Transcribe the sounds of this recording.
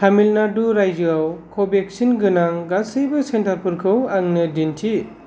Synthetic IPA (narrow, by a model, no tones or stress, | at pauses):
tʰamilnaduɾajzɯawkʰobek̚sinɡɯnaŋɡasɯjbɯsentaɾpʰuɾkʰɯwaŋnɯdintʰi